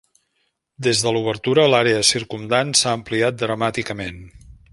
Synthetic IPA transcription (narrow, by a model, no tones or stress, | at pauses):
d̪ezðəluβ̞əɾt̪uɾəlaɾeəsiɾkumd̪ansaəːmpliat̪̚d̪ɾəmat̪ikəmen